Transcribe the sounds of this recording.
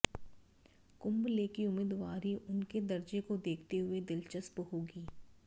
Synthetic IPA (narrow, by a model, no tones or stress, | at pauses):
kʊ̃mbleːkiʊmɪd̪ʋaːɾiʔʊnked̪ɐɾd͡ʒekod̪eːkʰt̪eɦʊed̪ɪlt͡ʃəspɦoːɡiː